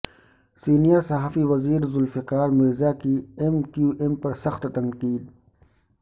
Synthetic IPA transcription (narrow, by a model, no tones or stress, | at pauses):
siːnijəɾsɐɦaːfiwɐziːɾzʊlfikaːɾmiɾzaːkiemkjuːʔempɐɾsɐxt̪t̪ɐŋqiːd̪̚